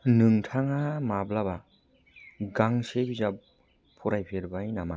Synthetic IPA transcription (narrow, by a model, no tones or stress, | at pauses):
nɯŋtʰaŋamablaba | ɡaŋsebizap̚ʰː | ɔɾajpʰeɾbajnama